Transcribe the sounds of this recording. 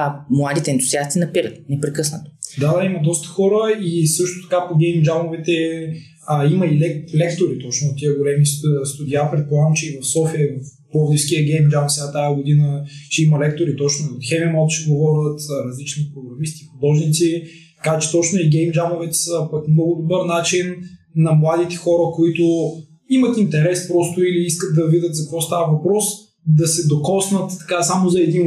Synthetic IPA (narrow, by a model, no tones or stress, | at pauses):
mlˠad̪it̪ɛnt̪ʊziast̪inɐpiɾət̪nɛpɾɛkɤsnət̪o̥d̪ad̪aimɐd̪ɔst̪ə̥xɔɾəisɤʃt̪ot̪ɐ̥kapoɡʲɛjmd͡ʒamovɛt̪ɛ | əiməilɛlɛkt̪oɾit̪ɔt͡ʃnʊot̪ːiəɡolɛmisst̪ʊd̪ʲiapɾɛt̪̚polˠavəmt͡ʃɛivɐfsɔfiəvfpɔvd̪ifskʲiəɡʲɛjmd͡ʒamfsɛɡat̪ajəɡod̪inət͡ʃɛimɐlɛk̚t̪oɾit̪ɔt͡ʃnʊiot̪xɛmimalˠk̪ut͡ʃiɡovɔɾʲət̪ɾɐzlit͡ʃnipɾoɡɾɐmist̪ixod̪ɔʒnit̪si | t̪ɐkat͡ʃɛ̥t̪ɔt͡ʃnʊiɡʲɛjmd͡ʒamovɛt̪ssəpɐkmnɔɡʊd̪obəɾnat͡ʃinːɐmlˠad̪it̪ɛ̥xɔɾəkoit̪ʊ | imɐt̪int̪ɛɾɛspɾɔst̪ʊiliiskət̪̚d̪ɐvidʲət̪zɐkvɔst̪avəvɐpɾɔs | d̪ɐsɛd̪okɔsnət̪t̪ːɐ̥kasamozɐɛd̪in